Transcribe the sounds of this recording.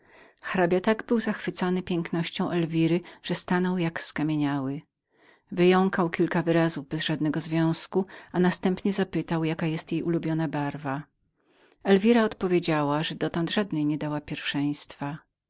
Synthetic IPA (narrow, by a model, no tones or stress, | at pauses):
xɾabʲjat̪aɡbɘwzaxfɘt̪sɔnɘpʲjɛŋknɔɕt͡ɕɔ̃w̃ʔɛlvʲiɾɘʐ̥ɛst̪anɔwjakskamʲeɲawɘ | vɘjɔŋkawkʲilkavɘɾazuvbɛzʐad̪nɛɡɔzvʲjɔ̃w̃skuanast̪ɛmpɲɛzapɘt̪awjakajɛst̪jejʔulubʲjɔnabaɾva | ɛlvʲiɾaɔt̪pɔvʲjed͡ʑawaʐɛd̪ɔt̪ɔnd̪ʐad̪nɛjɲɛd̪awapʲjɛɾfʂɛj̃st̪fa